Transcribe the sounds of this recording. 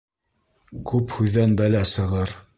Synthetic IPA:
kʉphʉðːænbælæsɤ̆ʁɤɾ

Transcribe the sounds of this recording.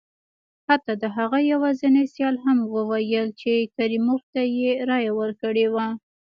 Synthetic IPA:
hat̪ɑd̪əɦaɣajawazənajsjɑlɦamwəwajəlt͡ʃekaɾimoxt̪ajeɾɑjawəɾkəɽewa

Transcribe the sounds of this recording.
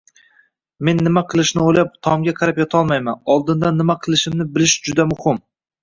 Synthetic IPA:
me̞nːɪmaqʰɨlˠɪʃnɪojlap̚t̪ʰɒmɡʲaqʰɑɾapjɒt̪ʰɒlˠmajmanɒlˠd̪ɪnd̪anːɪmaqʰɨlˠɪʃɪmnɪbɪlɪʃd͡ʒʊd̪amʊhɪm

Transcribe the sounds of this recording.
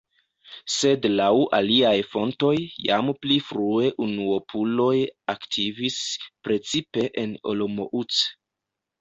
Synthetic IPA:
se̞dlawʔa̰liajfo̞nto̞jːa̰mplifɾue̞ʔunuopʰulo̞jaktʰivispɾe̞t͡sipe̞ʔeno̞̰lomo̞̰ʔut͡s

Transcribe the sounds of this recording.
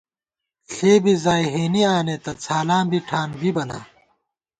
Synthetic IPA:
ɬeːbizaːjɦeːniaːnet̪ɐt͡sʰaːlaːmbʱiʈʰaːnbʱibɐna̰ː

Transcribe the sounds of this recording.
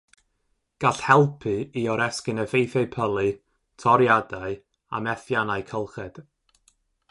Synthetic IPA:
ɡ̥aɬhɛlˠpʰɨiɔɾɛskɨnəvejθjaɨpʰəlˠɨ | tʰɔɾjadaɨ | a̰mɛθjanajkʰəlˠχɛd̥

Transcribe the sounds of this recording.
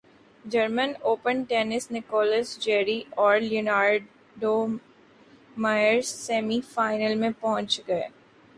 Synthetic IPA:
d͡ʒɐɾmənoːpənʈeːnɪsnɪkɔːləsd͡ʒɛːɾiʔɔːɾliʊnaːɾ | ɖo | maːɪəɾzsɛːmifaːɪnəlmẽpɔɦʊ̃nt͡ʃɡɐeː

